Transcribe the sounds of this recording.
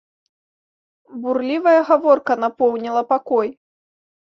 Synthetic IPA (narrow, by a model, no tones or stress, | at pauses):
burlʲivɐjɐɣavɔrkɐnapɔwnʲilˠɐpakɔj